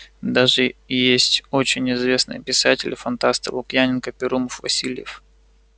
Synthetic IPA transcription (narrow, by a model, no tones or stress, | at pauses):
d̪aʐɨjesʲtʲot͡ɕɪnʲɪzvʲe̞snɨ̰jpʲɪsatʲɪlʲfɐnt̪ast̪əlˠʊkjanʲɪnkəpʲɪɾuməfvɐsʲilʲɪjɪf